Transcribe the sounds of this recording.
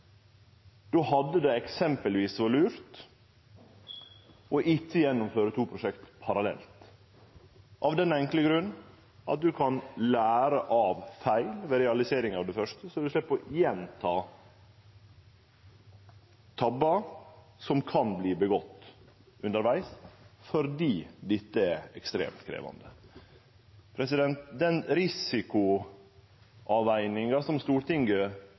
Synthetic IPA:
d̪̥oːhɑd̪ːəd̪ɛɛksɛmpəlʋiːsʋɑlʉːɾt̪ | ɔʔɪtːəjɛnːʊmføːɾət̪ʰuːpʰɾʊʂɛkt̪pʰɑɾɑlɛ̰lt̪ | ʔɑʋd̪ɛnɛŋkləɡɾʉnː | ʔɑ̰t̪̚d̪ʉkʰɑnlæːɾəʔɑʋfæɪlʋɛɾɛɑlɪseːɾɪŋɑʋd̪ɛfœʂtəsɔd̪ʉʂlɪpːɔjɛnt̪ʰɑː | t̪ʰɑbːɑ | sɔmkʰɑnbliːbəɡɔt̪ː | ʉnd̪əɾʋæɪsfɔɾd̪iːd̪ɪt̪ːəɛɾɛkst̪ɾḛːmt̪kʰɾḛːʋɑ̰nd̪ə | pʰɾɛsɪd̪ɛnt̪d̪ɛnɾɪsɪkʊ | ʔɑʋæɪnɪŋɑsɔmst̪uːɾʈɪŋɡə

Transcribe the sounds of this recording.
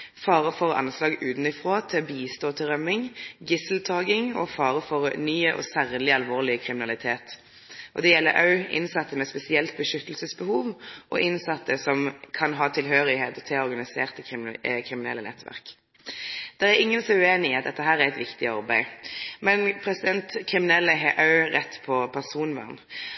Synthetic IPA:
fɑːʁəfɔʁʔɑ̰nslɑːɡʉːd̪n̩ɪfʁoːt̪ʰɪlɔbiːst̪oːt̪ʰɪʁœmɪŋɡɪsəl̩t̪ʰɑːɡɪŋɔ̰fɑːʁəfɔʁnyːəʔɔ̰sæːʁlɪɑlʋoːʁlɪəkʰʁɪmɪnɑlɪt̪ʰeːt̪ | ʔɔd̪ɛjɛlːə̰ɾʔɑ̰ʉɪ̰nsɑt̪ːəmɛspɛsɪɛlt̪̚bəʃʏt̪ːəlsəsbəhuːʋʔɔ̰ʔɪnsɑt̪ːəsɔmkʰɑnɦɑːt̪ʰɪlɦøːɾɪɦeːt̪ɔt̪ʰɛɔɾɡɑnɪseːʁt̪əkʰʁɪmɪnɛ̰lːənɛ̰t̪ʋæ̰ʁk | d̪̥ɛʁæɾɪŋːənsɔʉeːnɪɪɑt̪d̪ɛt̪ːəɦæːʁæɾɛt̪ʋɪkt̪ɪɑʁbæɪmɛnpʰɾɛsɪd̪ɛnt̪kʰʁɪmɪnɛlːəɦɛʔɑʉʁɛt̪ːpʰɔpʰæʁsuːnʋæ̰ʁn

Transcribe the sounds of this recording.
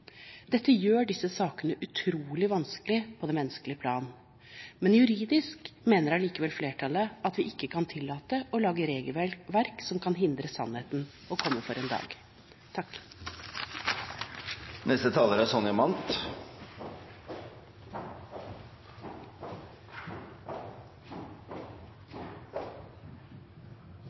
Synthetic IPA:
d̪ɛt̪ʰːəjøːɖɪsəsɑːkənəʔʉt̪ʰɾuːlɪʋɑnsklɪpʰɔd̪ɛnmɛnəskəlɪəpʰlɑ̰ːn | mɛnjʉɾiːd̪ɪskmeːnəɾɑliːkəʋɛlfleːʈʰɑləʔɑt̪ʋɪʔɪkːəkʰɑnt̪ʰɪlːɑːt̪əʔɔlɑːɡəɾeːɡəlʋæʋæɾksɔmkʰɑnɦɪnd̪ɾəsɑ̰nheːt̪n | ɔkʰɔmːəfɔɾɛnd̪ɑ̰ːɡ | t̪ʰɑkː | nɛst̪ət̪ʰɑːləɾæsɔnɪɑmɑnt̪

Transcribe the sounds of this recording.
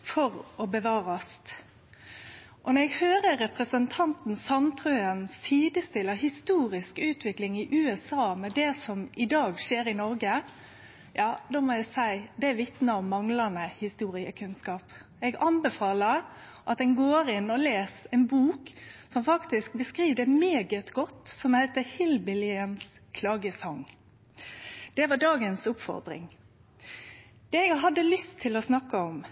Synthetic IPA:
fɔɾɔbəʋɑːɾɑst̪ | ʔɔnɔɛɡhøːɾəɾɛpɾəsənt̪ʰɑnt̪n̩sɑnt̪ʰɾœənstʰiːd̪əst̪ɪləhɪst̪uːɾɪskʉːt̪ʰʋɪklɪŋɪʔʉːɛsɑːmɛd̪ɛsɔmɪd̪ɑːɡʂeːɾɪnɔɾɡə | jɑːd̪oːmɔæɪsæɪd̪ɛʋɪt̪nəɔmːɑŋlɑnəhɪst̪uːɾɪə̰kʰʉnskɑːp | ɛɡɑnbɛfɑːləɾ | ʔɑt̪̚d̪ɛnɡoːɾɪnːɔleːsɛnbuːksɔmfɑkt̪ɪsk̚bəskɾiːʋd̪ɛmeːɡət̪ɡɔt̪ːsɔmhæɪt̪əhɪlbɪlɪəns | kʰlɑːɡəsɑŋ | d̪̥ɛʋɑɖɑːɡənsʊpfɔ̰ʁd̪ɾɪ̰ŋ | d̪̥ɛɛɡɦɑd̪ːəlʏst̪ʰːɪlɔsnɑkːəɔm

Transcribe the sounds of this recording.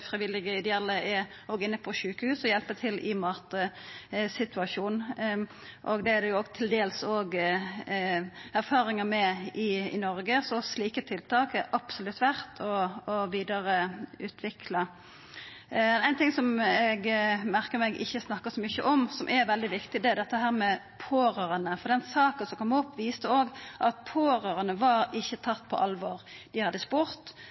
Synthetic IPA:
fɾɪʋɪlɪɡəɪd̪ɛɑlːəɛ | ɔːɡɪnːəpʰɔʃʉːkəhʉːsɔjɛlpət̪ʰɪlɪmɑːt̪əsɪt̪ʉɑʃuːn | ʔɔɡd̪ɛæd̪ɛjʊoɡt̪ʰɪld̪eːlsoːɡ | æɾfɑːɾɪŋəmɛɪɪ̰nɔɾɡəsɔsliːkət̪ʰɪlt̪ʰɑːkɛɾʔɑpsʊlʉt̪ːʋæʁt̪ʰɔːʋiːd̪əɾəʉːt̪ʰʋɪkʰlɑ | ɛnæɪnt̪ʰɪŋsɔmɛɡmæɾkəɾmɛɡʔɪ̰çːəsnɑkːəsɔmʏçəʔɔmsɔmʔɛɾʋɛld̪ɪʋɪkt̪ɪd̪ɛæɾd̪ɛt̪ːəɦæːɾmɛ | pʰoːɾøːɾɑnəfɔʁd̪ɛnsɑːkəsɔkʰɔmɔpːʋiːst̪əoːɡʔɑt̪̚pʰoːɾøːɾɑnəʋɑɾɪçːət̪ʰɑt̪ːpʰɔ̰ʔɑlʋoːɾd̪̥ɪhɑd̪ːəspuːɾt̪

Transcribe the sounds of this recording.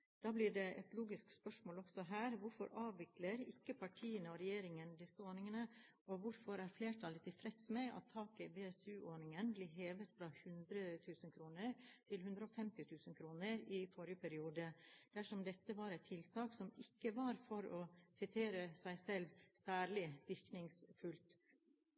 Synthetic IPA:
d̪̥ɑːblɪɖɛʔɛ̰t̪luːɡɪskspœʂmoːlɔɡ̥sɔɦæːɾʋʊɾfɔ̰ɾɑːʋʋɪkləɾɪkːəpʰɑʈʰiːənəɔɾɛjeːɾɪŋənd̪ɪsəoːɾnɪŋənə | ɔʋʊɾfɔɾæɾfleːʈʰɑlət̪ɪfʰɾɛt̪smɛʔɑ̰t̪ʰːɑːkəbeːɛsʉːʔoːɳɪŋənbliːɦeːʋət̪fɾɑhʉnd̪ɾət̪ʰʉːsənkʰɾuːnəɾt̪ʰɪlhʉnd̪ɾəɔːfɛmt̪ɪt̪ʰʉːsən̩kʰɾuːnəɾɪfɔɾjəpʰæɾɪuːd̪əd̪̥æʂɔmd̪ɛt̪ːəʋɑɾɛt̪ʰɪlt̪ʰɑːksɔmɪkːəʋɑɾfɔɾɔsɪt̪ʰeːɾəsæɪsɛlʋsæːɾɭɪʋɪɾknɪŋsfʉlt̪

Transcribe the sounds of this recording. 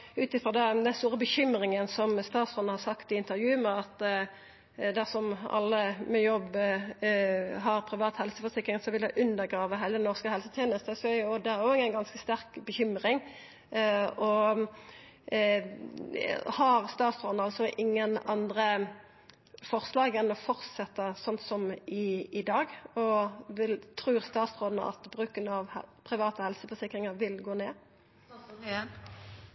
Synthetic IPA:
ʉːt̪ɪfʁɔd̪ɛd̪ɛnst̪uːʁəbəçʏmʁɪŋənsɔmst̪ɑːt̪sʁɔnəhɑsɑkt̪ɪɪnt̪əɾjʉːmɛɑt̪ | d̪æsɔmɑ̰lːəmɛjɔbː | ɦɑʁpʰʁɪʋɑːt̪hɛlsəfɔsɪkːɾɪŋsɔʋɪldɑɪʔʉnd̪əʁɡʁɑːʋəɦæɪləd̪ɛnɔʁskəhɛlsət̪ʰjeːnəst̪əsœɔd̪ɛæʁɔɪŋənɡɑnskəst̪æɾkbəçʏmɾɪŋ | ɔ | hɑʁst̪ɑːt̪sʁoːd̪nɑlsɔʔɪŋːənɑnd̪ʁə | fɔʁslɑːɡɛnɔfɔʁsɛt̪ːəsɔnt̪sɔmɪɪd̪ɑːɡɔʋɪlt̪ʰɾʉːʁst̪ɑːt̪sʁoːd̪nə̰ʔɑ̰t̪bʁʉːkənəɑʋpʰɾɪʋɑːt̪əhɛlsəfɔsɪkʁɪŋəɾʋɪlɡoːneː

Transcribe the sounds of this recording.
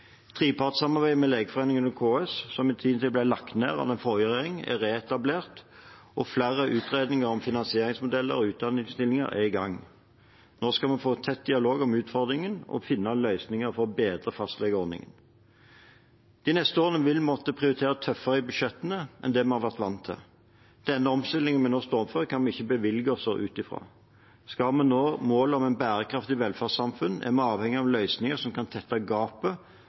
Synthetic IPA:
t̪ʰʁiːpʰɑːt̪sɑmɑʁbæɪmɛleːɡəfɔʁeːnɪŋənɔkʰoːɛssɔmɪt̪ʰiːnt̪ɪlblæɪlɑkt̪neːʁɑ̰ʋ̪ɛnfɔʁjəʁeːʁɪŋæ̰ʁeːɛt̪ɑbleːʁt̪ʔɔflæʁəʔʉːt̪ʁeːd̪nɪŋəʁɔmfɪnɑnsɪeːʁɪŋsmʊd̪ɛlːə̰ʁɔʉːt̪̚d̪ɑnɪŋst̪ɪlːɪŋə̰ʁʔæ̰ɪɡɑŋ | noːskɑmɑnfoːt̪ʰɛt̪̚d̪ɪɑloːɡɔmʉːt̪fɔʁd̪ʁɪŋənɔ̰fɪnːɑlœʏsnɪŋəʁfɔʁbeːd̪ʁəfɑst̪lɛɡəɔnɪ̰ŋə̰n | d̪̥ɪnɛst̪əoːʁnəʋɪlmɔt̪ːəpʰʁɪʊɾɪt̪ʰeːʁət̪ʰœfːəʁəɪbʉʃɛt̪ːənəʔɛ̰nd̪ɛmɛnhɑʁʋæʁt̪ʋɑnt̪ʰːə̰ | d̪̥ɛnːəɔmst̪ɪlːɪŋənmɛnoːst̪oːɔmføːʁəkʰɑnmɛnɪçːəbəʋɪlɡəɔsɔʔʉːt̪ɪfɾɑ̰ː | skɑmɛnːoːmoːləɔmɛɪnbæːɾəkʰɾɑft̪ɪʋɛlfæʁsɑmfʉnɛæ̰mɛɑːʋhɛŋːɪɑʋlœʏsnɪŋəsɔmkɑnt̪ʰɛt̪ːɑɡɑːpə

